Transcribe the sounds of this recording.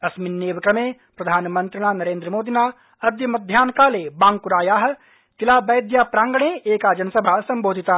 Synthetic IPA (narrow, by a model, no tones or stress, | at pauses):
ɐsminːeːʋkɾɐmeː | pɾɐd̪ʱaːnmɐ̃nt̪ɾənaːnɐɾẽːnd̪ɾəmoːd̪inaː | ɐd̪jəmɐd̪ʱjaːnkaːleːbãːŋkʊɾaːjaːɦ | t̪ɪlaːbɛːd̪jaːpɾãːŋɡəɳ̃eːeːkaːd͡ʒɐnəsɐbʱaːsɐ̃mboːd̪ʱɪt̪aː